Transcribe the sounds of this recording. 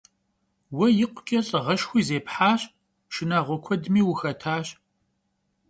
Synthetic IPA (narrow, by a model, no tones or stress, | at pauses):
wɐjɪqʷʊkʲʼɐɬʼʁɐʃxʷiːzeːpħaːɕ | ʃɨnaːʁʷɔkʷʰɔdmiːwʊxɐtʰaːɕ